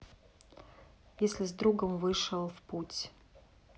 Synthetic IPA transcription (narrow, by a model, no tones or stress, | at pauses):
jesʲlʲɪzd̪ɾuɡəmvɨʂəlˠfputʲ